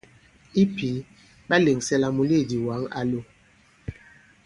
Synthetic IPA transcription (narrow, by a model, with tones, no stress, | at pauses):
i˦pi˨˦ | ɓa˦le˨ŋsɛ˦la˨mu˨le˦˨di˨wa˨˦ŋa̰˦lo˦˨